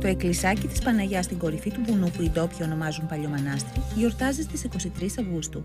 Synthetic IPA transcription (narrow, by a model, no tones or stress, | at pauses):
t̪o̞eklisɐcit̪i̥spɐnɐʝɐst̪iŋɡo̞ɾifit̪ubunupuind̪o̞pçiono̞mɐzumpɐʎomɐnɐst̪ɾiʝo̞ɾt̪ɐzist̪isiko̞sit̪ɾisɐvɣust̪u